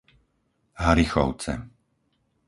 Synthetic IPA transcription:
ɦaɾixɔ̰ʊt͡sɛ̰

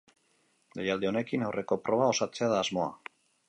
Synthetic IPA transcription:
d̪ejald̪e̞o̞ne̞kinawre̞ko̞pɾo̞βao̞sat͡se̞aðaːzmo̞a̰

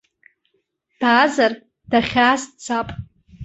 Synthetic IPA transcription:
d̥aːzar | d̥aχʲaːzt͡sʰapʼ

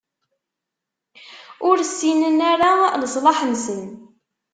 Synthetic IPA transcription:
ʊɾsːinənaɾaləsˤlɑħənsən

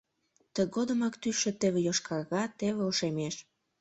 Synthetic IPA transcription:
t̪ə̆ɣod̪ə̆mɑkt̪yʃĕt̪eβĕjoʃkʰɑɣɑt̪eβeoʃemeʃ

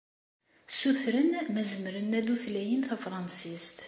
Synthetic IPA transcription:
suθɾənmæzəmɾənːæðuθlæjənθæfɾˤɑnsist̪

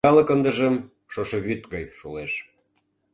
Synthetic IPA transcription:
ɑlə̆kənd̪ə̆ʒə̆m | ʃoʃɤβyt̪ɣɑjʃuleʃ

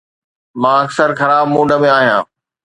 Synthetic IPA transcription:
mãːɐksəɾxɐɾaːb̚mõːɖəmẽaːɦijãː

